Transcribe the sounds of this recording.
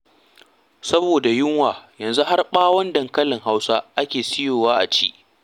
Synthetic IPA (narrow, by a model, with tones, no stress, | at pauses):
sɐ˦boː˨da˨jɪ˦ŋwaː˨jɐ˨nzu˦ɦa˦rɓaː˦wɐ˦ndɐ˨ŋkɐ˦lɪ˨ŋɦa˦wsa˦ʔa˦kʲeː˨sɪ˦joː˨waː˦ʔa̰˨t͡ʃiː˦ʔ